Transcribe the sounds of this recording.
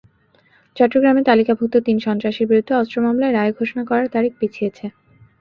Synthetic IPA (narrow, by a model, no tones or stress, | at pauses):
t͡ɕɔʈːɾoɡɾamet̪alikabʱut̪ːot̪inʃɔnt̪ɾaʃeɾbiɾud̪ʱːeɔstɾomamlaeɾaeɡʱoʃonakɔɾaɾt̪aɾik̚pet͡ɕʰijet͡ɕʰe